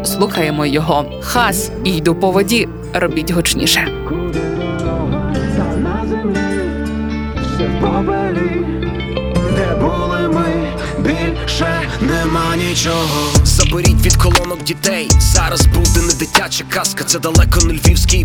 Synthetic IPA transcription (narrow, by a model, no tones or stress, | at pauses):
slˠuxɐjemɔjɔɦɔ | xɑs | ijd̪upɔʋɔdʲi | rɔbʲitʲɦɔt͡ʃnʲḭʃɛkʊd̪ɪd̪ɔɔɦɐt̪ɐnazɪmnɪ | ipɔʋɛlʲi | d̪ɛbulˠɪmɪ | bʲilʲ | ʃɛ | nɛmanʲit͡ʃɔɦɔzɐbɔɾʲitʲʋʲid̪kɔlˠɔnɔwdʲit̪ɛjzɑɾɐzbuwd̪ɪnɪd̪ɪtʲat͡ʃɐkɑskɐt̪sɛd̪ɐlˠɛkɔnʊlʲʋʲiwsʲkʲɪj